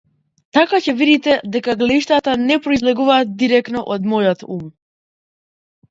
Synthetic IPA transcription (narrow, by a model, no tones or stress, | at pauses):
t̪akacɛvid̪it̪ɛd̪ɛkaɡlɛiʃt̪at̪anɛpɾɔizlɛɡuvaːt̪̚d̪iɾɛknɔʔɔd̪mɔjɔt̪um